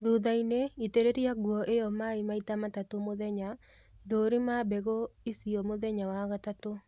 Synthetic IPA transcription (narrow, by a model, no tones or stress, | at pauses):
ðuðaineiteɾeɾiaɡwɔʔejɔmaimaitamatatomoðɛɲa | ðoɾimabɛɣoisiɔmoðɛɲawaɣatato